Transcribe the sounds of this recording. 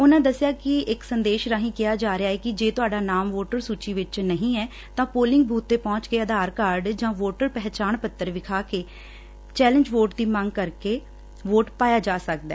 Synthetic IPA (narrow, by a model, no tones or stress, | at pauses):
ʊnãːd̪əsːɪjaːkɪɪksənd̪eːʃɾaːɦĩːkɪjaːd͡ʒaːɾejaːɛːkɪd͡ʒeːt̪ʊaːɖaːnaːmʋoːʈəɾsuːt͡ʃiːʋɪt͡ʃnəɦĩːɛː | t̪ãːpoːlɪ̃ŋɡ̚bʱuːt̪ːeːpɔ̃ːt͡ʃkeːəd̪ʱaːɾkaːɾɖd͡ʒãːʋoːʈəɾpɛɦt͡ʃaːnpət̪ːəɾʋɪkʰaːkeː | t͡ʃɛːlə̃ɲd͡ʒʋoːʈd̪iːmə̃ŋɡkəɾkeː | ʋoːʈpaːjaːd͡ʒaːsək̚d̪ɛ̰ː